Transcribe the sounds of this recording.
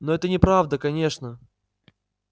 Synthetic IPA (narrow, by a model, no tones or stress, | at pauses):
noɛt̪ənʲɪpɾavd̪əkɐnʲe̞ʂnə